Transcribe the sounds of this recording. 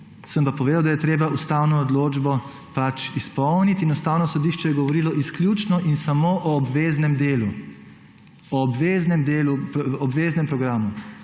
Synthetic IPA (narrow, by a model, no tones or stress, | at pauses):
səmpapɔʋeːd̪awd̪ajɛt̪ɾeːbaust̪awnɔːd̪loːd͡ʒbɔ | pat͡ʃispɔwnit̪inɔst̪aːwnɔsɔd̪iːʃt͡ʃɛjɛɡɔʋɔɾiːlɔʔisklʲjut͡ʃnɔʔinsamoːʔɔːbʋeːznɛmd̪eːlu | ɔbʋeːznɛmd̪eːluɔbʋeːznɛmpɾɔɡɾaːmu